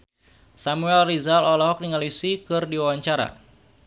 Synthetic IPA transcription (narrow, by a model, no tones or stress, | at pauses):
samuɛlrizalɔlɔɦɔk̚niŋalisikɨrdiwawaɲt͡ʃaɾa̰